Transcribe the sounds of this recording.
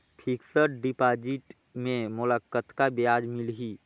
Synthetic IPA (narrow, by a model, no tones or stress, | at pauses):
pʰiksəɾɖipaːd͡ʒiʈ | mẽmʊləkːət̪kabijaːd͡ʒmɪlɦi